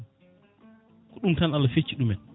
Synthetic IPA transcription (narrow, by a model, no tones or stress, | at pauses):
kɔɗumtanalːafet͡ʃːiɗumɛn